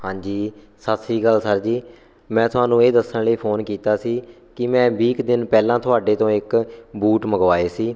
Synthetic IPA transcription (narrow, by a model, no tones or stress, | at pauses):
hãːd͡ʒiː | sət̪ʰsiːɡəlsəɾd͡ʒiː | mɛ̃ːt̪ʰʊɦaːnũːeːd̪əsənləiːpʰoːnkiːt̪aːsiː | kɪmɛ̃ːbiːkd̪ɪnpɛːlãːt̪ʰʊaːɖeːt̪õːɪkbuːʈməɡʋaːeːsiː